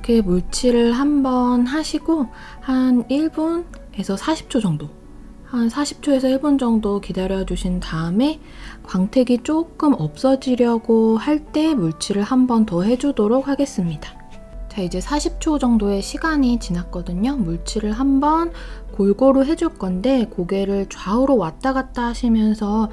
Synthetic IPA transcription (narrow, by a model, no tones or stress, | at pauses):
kemuɭt͡ɕʰiɾɯɭɦambʌnɦaɕʰiɡo | haniɭbon | e̞sʰʌsʰaɕʰi̥p̚t͡ɕʰod͡ʑʌŋdo | hansʰaɕʰi̥p̚t͡ɕʰoe̞sʰʌiɭbond͡ʑʌŋdokidaɾjʌd͡ʑuɕʰintaɯme̞ | kwaŋtʰe̞ɡit͡ɕ͈ok͈ɯmʌp̚s͈ʌd͡ʑiɾjʌɡohaɭt͈e̞muɭt͡ɕʰiɾɯɭhambʌntʌɦe̞d͡ʑudoɾok̚haɡe̞s͈ɯmɲida | t͡ɕaid͡ʑe̞sʰaɕʰip̚t͡ɕʰod͡ʑʌŋdoe̞ɕʰiɡaɲit͡ɕinak͈ʌdɯɲomuɭt͡ɕʰiɾɯɭɦambʌnkoɭɡoɾoɦe̞d͡ʑuɭk͈ʌnde̞koɡe̞ɾɯɭt͡ɕwauɾowat͈aɡat͈aɕʰimjʌnsʰʌ